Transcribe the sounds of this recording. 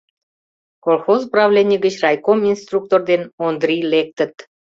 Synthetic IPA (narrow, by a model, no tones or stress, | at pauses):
kolˠxozprɑvlʲenʲiɡət͡ɕrɑjkominst̪ruk̚t̪ord̪enond̪rilek̚t̪ət̪